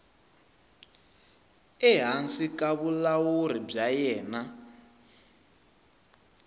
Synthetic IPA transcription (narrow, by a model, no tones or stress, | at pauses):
ɛɦansikʼaβulawuɾib͡ʐajɛːna